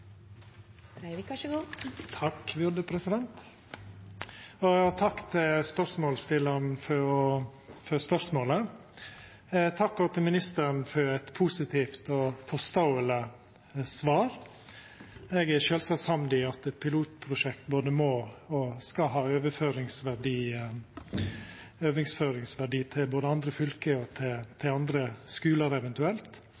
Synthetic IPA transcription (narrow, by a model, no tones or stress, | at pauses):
ɡt̪ʰɑkʋʊd̪əpʰɾɛsɪd̪ɛnt̪ | ɔt̪ʰɑkːt̪ʰɪlspœɾsmoːlst̪ɪlːənfɔɾɔfɔspœɾsmoːlə | t̪ʰɑkːɔt̪ʰɪlmɪnɪst̪əɾnfɔɾɛt̪pʰusɪt̪ʰiːft̪ɔfɔst̪oːələ | sʋɑːɾ | ɛɡæɾʃøːlsɑshɑmd̪ɪɑt̪ɛt̪̚pʰɪluːt̪pʰɾʊʃɛkt̪boːd̪əmoːɔskɑɦɑːøːʋəføːɾɪŋsʋæɖiː | øːʋɪŋsføːɾɪŋsʋæɖiːt̪ʰɪlboːd̪əɑnd̪ɾəfʏlkəɔt̪ʰɪt̪ʰɪɑnd̪ɾəskʉːləɾɛʋɛnt̪ʉɛlt̪